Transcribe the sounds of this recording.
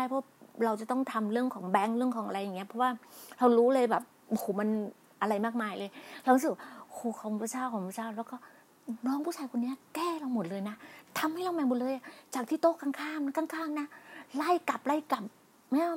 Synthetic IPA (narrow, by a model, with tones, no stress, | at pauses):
aː˥˩jpʰɔ˦wɾa˧wt͡ɕa˨˩t̪ɔ˥˩ŋt̪ʰa˧mɾɯ˥˩əŋkʰɔː˩˦ŋbɛ˦˥ŋɾɯ˥˩əŋkʰɔː˩˦ŋa˧ɾa˧jːa˨˩ŋːi˦˥ɐpʰɔ˦˥waː˥˩ɾa˧wɾuː˦˥lɤː˧jbɛː˨˩p̚hoː˨˩ma˧n | ʔa˧ɾa˧jmaː˥˩k̚maː˧jlɤː˧jɾa˧wɾu˦˥sɯ˨˩w̚a˥˩hoː˨˩kʰɔː˨˦ŋʰː˧˩t͡ɕʰaː˥˩wkʰɔː˨˩˦ŋpʰu˥˩t͡ɕaː˥˩wlɛ˦˥wkɔː˥˩ | nɔː˦˥ŋpʰuː˥˩aː˧jkʰo˧nːi˦˥ɐkɛː˥˩ɾa˧wmo˨˩t̪̚lɤː˧jna˦˥t̪ʰa˧mha˥˩jɾa˧wmɛː˨˧˩mo˨˩t̪̚lɤː˧jʔa˨˩t͡ɕaː˨˩k̚t̪ʰiː˥˩t̪oː˥˩kaː˧ŋkʰaː˥˩m˦˥kaː˥˩ŋkʰaː˥˩mna˦˥la˥˩jka˨˩p̚la˥˩jka˨˩p̚ | ma˧˥˩